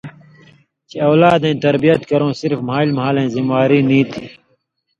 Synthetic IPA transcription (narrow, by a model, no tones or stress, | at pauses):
t͡ɕiɐːlaːd̪ẽːt̪ɐɾbijət̪kɐɾõːsɪɾfmaːilmɐɦaːlẽːzimwaːɾiːnĩːt̪ʰiː